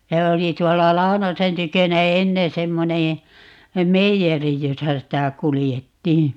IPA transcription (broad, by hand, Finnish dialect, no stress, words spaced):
jɑ oli tuolːɑ lɑu̞nosen tykønæ enːen̞ semːoneː meijeri josɑ sitæ kulijetːiː